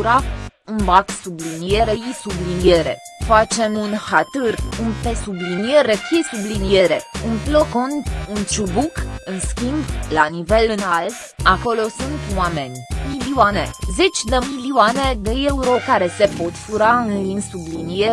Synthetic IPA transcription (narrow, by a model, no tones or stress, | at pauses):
uɾa | unbaksublinie̞ɾejisublinieɾe̞̰ | fat͡ʃe̞munhat̪ɨrunpesublinijeɾekesublinieɾe̞unploko̞nunt͡ʃubukɨnskʲimblanive̞lɨnalt̪ako̞lo̞sunt̪wame̞nʲmiliuane̞ze̞t͡ʃʲd̪emiliuane̞d̪eeuɾo̞kaɾe̞se̞po̞t̪fuɾaɨnlinsublinie